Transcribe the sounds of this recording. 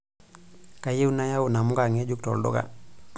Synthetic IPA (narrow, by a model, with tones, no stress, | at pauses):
ka˨je˦u˦na˦ja˦u˨na˨mu˦ka˨ŋe˦d͡ʒu˦ktɔ̰˨ldo̰˦ka̰˦˨